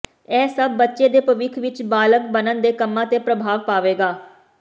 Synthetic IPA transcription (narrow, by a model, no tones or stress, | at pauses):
ɛːsəbːətːʃeːd̪eːpəʋɪkʰʋɪt͡ʃbaːlək̚bənənd̪eːkəmːãːt̪eːpɾəbʱaːʋpaːʋeːɡaː